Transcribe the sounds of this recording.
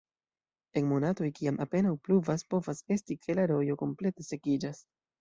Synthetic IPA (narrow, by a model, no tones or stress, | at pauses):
e̞nmo̞nato̞jkiamʔape̞nawpluvaspo̞vase̞stikʰe̞laɾo̞jo̞ko̞mple̞te̞se̞kid͡ʒas